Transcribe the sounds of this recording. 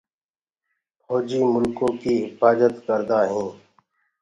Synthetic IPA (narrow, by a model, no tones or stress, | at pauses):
pʰoːd͡ʒiːmʊlkõːkiːɦɪfaːzət̪kəɾd̪aːɦĩː